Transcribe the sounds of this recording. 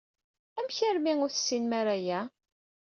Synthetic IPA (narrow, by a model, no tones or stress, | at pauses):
æmçəɾmiŋʊɾθsːinmaɾæjæ